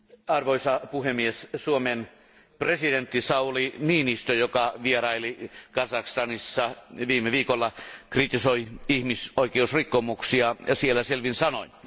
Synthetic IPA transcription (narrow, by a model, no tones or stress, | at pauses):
ɑrʋoisɑpuhemːiessuomen | president̪ːisɑuliniːnist̪øjokɑʋierɑilikɑsɑkst̪ɑnisːɑʋiːmːeʋiːkolːɑkrit̪isoiihmisoikeusrikːomuksiɑsielːæselʋinsɑnoi